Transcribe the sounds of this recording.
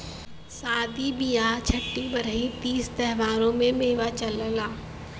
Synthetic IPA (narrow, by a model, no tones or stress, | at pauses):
saːd̪ʱibijaːt͡ʃʰəʈːibɐɾəit̪iːst̪ɛɦʋaːɾõmẽmeːʋat͡ʃɐləlaː